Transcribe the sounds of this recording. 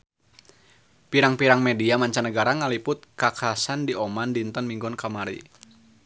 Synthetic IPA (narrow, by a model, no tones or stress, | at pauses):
piɾaŋpiɾaŋmɛdiamaɲt͡ʃanəɡaɾaŋalipʊt̪̚kakasandiɔmandint̪ənmiŋɡɔnkamaɾḭ